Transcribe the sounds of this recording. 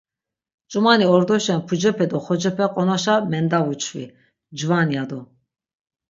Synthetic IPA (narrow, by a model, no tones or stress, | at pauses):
t͡ʃʼumaniɔɾd̪ɔʃɛnpʰud͡ʒɛpʰɛd̪ɔχɔd͡ʒɛpʰɛqʼɔnɔʃamɛnd̪avut͡ʃʰvḭ | d͡ʒvanjad̪ɔ